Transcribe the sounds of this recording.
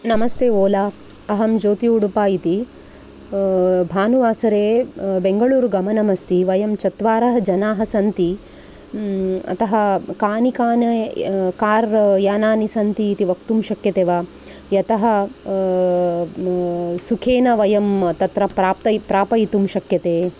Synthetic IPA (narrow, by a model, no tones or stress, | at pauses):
nɐmɐst̪eːoːlaː | ɐɦɐmd͡ʒoːt̪iuɽupaːjit̪i | bʱaːnuʋaːsɐɾeːbeŋɡɐɭuːɾuɡɐmɐnɐmɐst̪iʋɐjɐmt͡ʃɐt̪ʋaːɾɐɦɐd͡ʒɐnaːɦɐsɐnt̪i | ɐ̰t̪ɐɦɐkaːnikaːnɐkaːɾjaːnaːnisɐnt̪iːt̪iʋɐkt̪umʃɐkjɐt̪eːʋaː | jɐt̪ɐɦɐ | sukʰeːnɐʋɐjɐmt̪ɐt̪ɾɐpɾaːp̚t̪ɐpɾaːpɐit̪umʃɐkjɐt̪eː